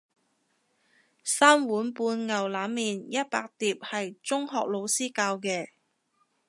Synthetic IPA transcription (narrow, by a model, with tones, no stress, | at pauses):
saː˥mwuː˨˥npuː˧nŋɐ˨wlaː˨˥mːiː˨njɐ˥t̚pa̰ː˧k̚t̪iː˨˩p̚hɐ˨jt͡sʊ˥ŋɦɔː˨k̚lo˨˧wsiː˥kaː˧wkɛː˧